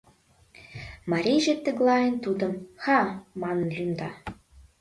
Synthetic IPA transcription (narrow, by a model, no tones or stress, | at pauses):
mɑɾʲeʒĕt̪ːə̆ɡlɑjənt̪ud̪ə̆mxɑmɑnə̆nlʲymd̪ɑ